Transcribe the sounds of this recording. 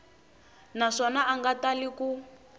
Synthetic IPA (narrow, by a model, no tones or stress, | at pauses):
naʂɔnaaŋɡataliku